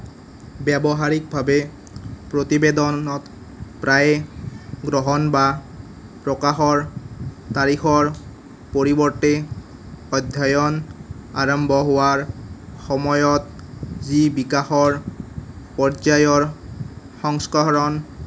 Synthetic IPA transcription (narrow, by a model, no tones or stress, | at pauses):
bɛbɔɦaɹik̚bʱabɛ | pɹot̪ibed̪ɔɔt̪ | pɹaj | ɡɹɔɦɔnba | pɹɔkaxɔɹt̪aɹixɔɹ | poɹibɔɹte | ɔd̪ʱjajɔnaɹɔmbʱɔɦowaɹxɔmɔjɔt̪̚zibikaxɔɹ | pɔɹzajɔɹ | xɔŋskɔɹɔn